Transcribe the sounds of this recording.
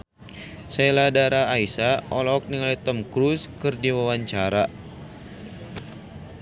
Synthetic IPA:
seladaɾaːisaɔlɔɔk̚niŋalit̪ɔmkɾuskɨrdiwawaɲt͡ʃaɾa

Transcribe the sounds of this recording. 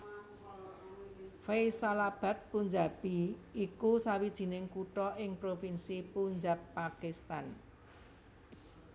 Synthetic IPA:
fejsalab̥ä̤t̪̚puɲd͡ʒa̤b̥iikusawid̥ʒ̥i̤nɪŋkuʈɔʔɪŋpɾofinsipuɲd͡ʒapːakist̪an

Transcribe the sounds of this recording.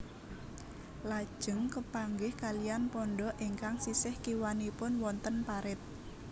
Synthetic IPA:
lad̥ʒ̥ə̤ŋkəpaŋɡɪhkalianpɔɳɖɔʔiŋkaŋsisɪhkiwanipʊnwɔnt̪ənpaɾɪt̪̚

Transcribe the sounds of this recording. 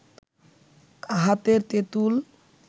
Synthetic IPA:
aɦat̪eɾt̪et̪ul

